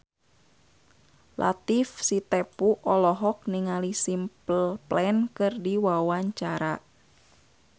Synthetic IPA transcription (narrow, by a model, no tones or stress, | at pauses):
lʔa̰t̪ifsit̪ɛpuʔɔlɔɦɔk̚niŋalisimpəlplɛnkɨrdiwawaɲt͡ʃaɾa